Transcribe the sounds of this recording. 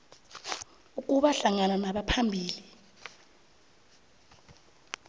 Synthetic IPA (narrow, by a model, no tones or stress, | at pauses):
uk̬ʼuɓaɬaŋananaɓapʰambʱiːli